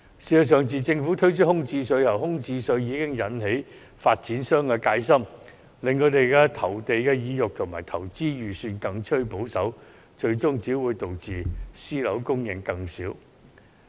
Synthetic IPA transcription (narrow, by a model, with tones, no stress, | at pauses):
siː˨t͡sɐ˨˩s̬œː˨˩ŋt͡siː˨˩t͡sɪ˧ŋfuː˨˥t̪ʰɵ˥ɥt͡ʃʰɵ˥t̚hʊ˥ŋt͡siː˧sɵ˧ɥjɐ˨˩wɦʊ˥ŋt͡siː˧sɵ˧ɥjiː˨˧kɪ˥ŋjɐ˨˧nɦe˨˥j | faː˧t̚t͡siː˨˥nsœː˥ŋkɛː˧kaː˨˧˥jsɐ˥m | lɪ˨ŋkʰɵ˨˧˥t̪e˨jkɛː˧t̪ʰɐ˨˩wt̪e˨jkɛː˧jiː˨˧jʊ˨k̚t̪ʰʊ˨˩ŋma̰ː˨˩jt̪ʰɐ˨˩wt͡siː˥jyː˨˩syː˧nkɐ˧ŋt͡ʃʰɵ˥ɥpo˨˥wsɐ˨˥w | t͡ʃɵ˧ɥt͡ʃʊ˥ŋt͡siː˨˥wuː˨˧jt̪o˨wt͡siː˨˩siː˥lɐ̰˨˥wkʊ˥ŋjɪ˨˩ŋkɐ˧ŋsiː˨˥w